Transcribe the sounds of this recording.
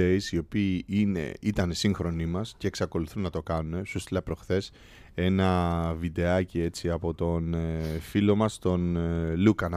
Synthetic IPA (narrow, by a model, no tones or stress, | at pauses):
eisio̞piːine̞̰it̪ɐnesiŋxɾo̞nimɐsce̞ːksɐko̞luθunːɐt̪o̞kɐnune̞sust̪ilɐpɾo̞xθe̞s | e̞nɐvid̪e̞ɐcie̞t͡siɐpo̞t̪o̞nfilo̞mɐst̪o̞nlukɐnɐ